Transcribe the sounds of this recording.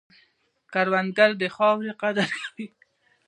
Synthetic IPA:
kaɾwanɡalb̪exɑwɾeqad̪aɾkawi

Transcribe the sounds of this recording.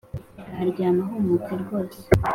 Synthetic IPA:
haɾɟaːmaɦomut͡seɾɡo̞ːɾse

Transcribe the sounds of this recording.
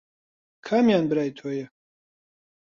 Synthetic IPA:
kʰamjanbɾajt̪ʰɔjɛ

